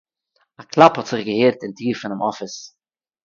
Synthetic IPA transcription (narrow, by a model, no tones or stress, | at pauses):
aklˠaphɔtz̥ɪχɡəheːɾtɪntiːɾfɪnɪmʔɔfɪs